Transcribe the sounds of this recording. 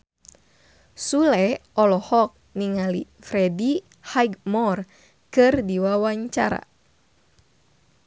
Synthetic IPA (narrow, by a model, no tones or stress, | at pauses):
sulɛɔlɔhɔk̚niŋali | fɾɛdi | hajɡmɔr | kɨrdiwawaɲt͡ʃa̰ɾa̰